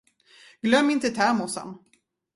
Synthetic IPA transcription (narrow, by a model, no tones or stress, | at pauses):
ɡ̥lœmːɪnt̪ət̪ʰæːmʊsa̰n